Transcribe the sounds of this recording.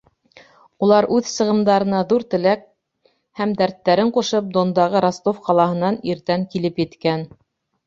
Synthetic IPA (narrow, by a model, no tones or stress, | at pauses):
ulˠɑɾʔʉðsɤ̆ʁɤ̆md̪ɑɾɤ̆nɑðuɾt̪ɘ̆læk̚ | hæmd̪æɾt̪ːæɾɘɴquʃɤp̚d̪ond̪ɑʁɤɾɑst̪ofqɑlˠɑhɤ̆nɑniɾt̪æŋkilɘpjɘ̆t̪kæn